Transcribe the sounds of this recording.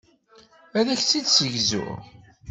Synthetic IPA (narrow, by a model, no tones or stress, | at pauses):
æðæçt͡sːid̪səʝzʊ̰